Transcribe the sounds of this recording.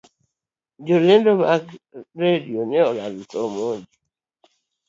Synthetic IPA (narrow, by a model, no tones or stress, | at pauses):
d͡ʒolendomakɾedioneɔlalutɔmod͡ʒi